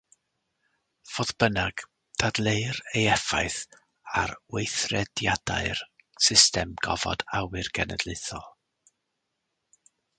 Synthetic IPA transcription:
v̥oːðb̥ənaɡ̥ | d̥ʰadlˠeɨrejɛfajθ | aɾwejθrɛdjad̥a̰ɨr | sɪstɛmɡ̥ɔvɔ̰dawɨrɡɛnɛ̰dlˠɪθɔlˠ

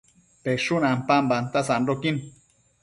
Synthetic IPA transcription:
peʃunampambant̪asanɾokin

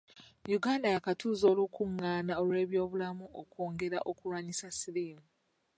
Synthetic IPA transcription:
juɡaːndajakatuːzo̞ːlukuŋːaːnao̞lwe̞ːβjo̞ːβulamuʔokoːŋɡe̞ɾa̰ʔo̞kuɾwaɲisasiliːmu

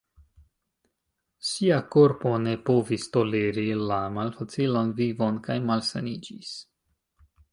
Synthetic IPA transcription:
siako̞ɾpo̞ne̞po̞vist̪o̞le̞ɾilamalfat͡silo̞nvivo̞nkajmalsa̰nid͡ʒis

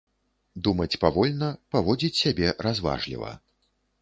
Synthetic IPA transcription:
d̪umɐt͡sʲpavɔlʲnɐpavɔd͡zʲit͡sʲsʲabʲɛɾazva̰ʐlʲḭvɐ̰

